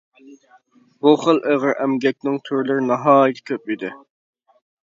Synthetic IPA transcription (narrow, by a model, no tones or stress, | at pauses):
buχəlˠʔeʁəɾʔɛmɡʲɛk̚ʲnɪŋt̪ʰyɾlɪɾɪnɑɦɑːjɡ̪ʲʰɛ̥kʲʰøp̚id̪ɪ